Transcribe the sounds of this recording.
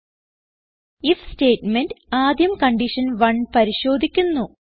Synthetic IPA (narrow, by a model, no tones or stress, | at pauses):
ifsteːʈmendaːd̪jɐmkɐɳɖiʂɐnʋɐɳpɐɾiɕo̞ːd̪ʱikʲːunːu